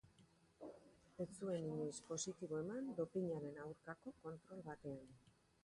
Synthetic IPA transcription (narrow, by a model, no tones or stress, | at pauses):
e̞t͡sue̞niɲojspo̞sit̪iβ̞o̞e̞mand̪o̞piɲaɾe̞nawɾkako̞ko̞nt̪ɾo̞lβat̪e̞an